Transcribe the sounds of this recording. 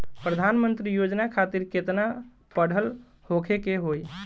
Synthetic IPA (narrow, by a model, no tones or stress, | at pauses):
pɾəd̪ʱanmənt̪ɾijod͡ʒnakʰat̪iɾket̪na | pəɽ̤əl | hokʰekeɦoj